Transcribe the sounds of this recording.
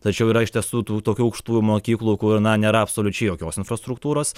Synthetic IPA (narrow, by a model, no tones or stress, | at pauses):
t̪ɐt͡ʃʲɛʊiːɾɐɪʃt̪ʲiɛsuːt̪uːt̪oːkʲuːɐʊkʃt̪uːjumoːkʲiːklˠuːkʊɾnɐnʲeːɾɐɐpsoːlʲʊt͡ʃʲɛɪjoːkʲoːsɪnfɾɐst̪ɾʊkt̪uːɾoːs